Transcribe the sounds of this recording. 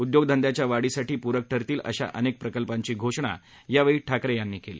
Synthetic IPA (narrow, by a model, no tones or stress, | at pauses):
ud̪joɡ̚d̪ʱənd̪jat͡ɕjaʋaɽiːsaʈiːpuɾək̚ʈʰəɾt̪iːlə̰ɕa̰ʔənek̚pɾəkəlpaɲt͡ɕiːɡʱoʂɳ̃a̰ | jaʋəɭiːʈʰakɾejanːiːkelḭː